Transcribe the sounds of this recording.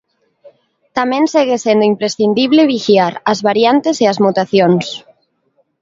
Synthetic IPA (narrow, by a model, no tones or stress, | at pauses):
t̪amẽnseɣesend̪ʊimpɾesθind̪iβleβixiaɾazβaɾjant̪eseazmut̪aθjons